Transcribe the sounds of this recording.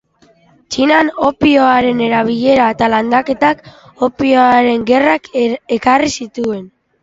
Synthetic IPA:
t͡ʃinano̞pioaɾe̞ne̞ɾaβ̞iʎe̞ɾaet̪aland̪ake̞t̪ak | o̞pioaɾe̞ŋɡe̞rake̞karisit̪ue̞n

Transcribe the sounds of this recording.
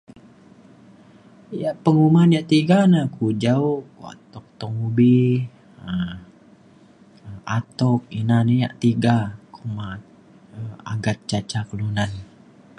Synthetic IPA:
jaʔpəŋumanjaʔt̪iɡanakud͡ʒaokua̰t̪ɔk̚t̪ɔŋubi | ə | at̪ɔk̚inanija̰ʔt̪iɡakumat̪̚ | əa̰ɡat̪̚t͡ʃat͡ʃakəlunan

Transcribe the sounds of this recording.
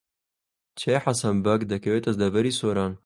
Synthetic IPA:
t͡ʃʰejħasɐnbɐkd̪ɐkɐweːt̪ɐzd̪ɐvɐɾiːsoːɾɑːn

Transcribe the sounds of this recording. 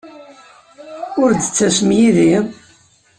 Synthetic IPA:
ʊɾd̪ət͡sːæsmjiði

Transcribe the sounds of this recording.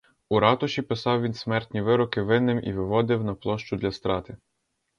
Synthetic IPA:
uɾɑt̪ɔʃʲipɪsɑwʋʲinsmɛrt̪ʲnʲiʋɪɾɔkɪʋɪnːɪmʔḭʋɪʋɔd̪ɪwnɐplˠɔʃt͡ʃʊd̪lʲɐst̪ɾɑt̪ɪ

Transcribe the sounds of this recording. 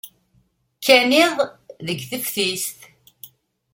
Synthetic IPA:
kʰːænɪðˤðəɡθəfθist̪

